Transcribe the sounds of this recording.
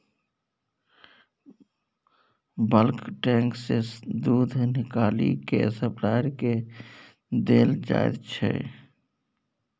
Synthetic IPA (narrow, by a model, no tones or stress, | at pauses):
bəlkʈɛ̃ːŋksesd̪uːd̪ʱnɪkaːlḭkesəplaɪɾke | d̪eːld͡ʒa̰ːḛd̪t͡ʃʰɛ̰